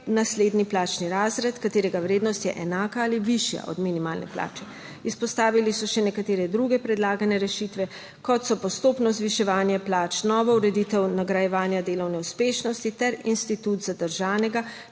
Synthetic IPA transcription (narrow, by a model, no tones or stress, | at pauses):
nasleːd̪niplaːt͡ʃniɾaːzɾɛt̪kat̪eːɾɛɡaʋɾeːd̪nɔst̪jɛ̰ʔɛnaːkaaːliʋiʃja̰ʔɔ̰d̪minimaːlnɛ̰pla̰ːt͡ʃɛ | ispɔst̪aːʋilisɔʃɛnɛkat̪eːɾɛd̪ɾuɡɛpɾɛd̪laːɡanɛɾɛʃit̪ʋɛ | kɔt̪sɔpɔst̪oːpnɔzʋiʃɛʋaːnjɛplaːt͡ʃnɔʋɔuɾɛd̪it̪ɛwnaɡɾajɛʋaːnjad̪eːlɔwnɛuspeːʃnɔst̪it̪ɛɾinst̪it̪ut̪zad̪əɾʒaːnɛɡa